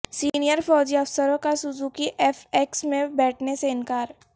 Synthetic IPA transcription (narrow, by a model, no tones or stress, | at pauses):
siːnijəɾfɔːd͡ʒiɐfsəɾõkasʊd͡ʒukiʔɛːfeːksmẽbɛːʈʰneseɪnkaːɾ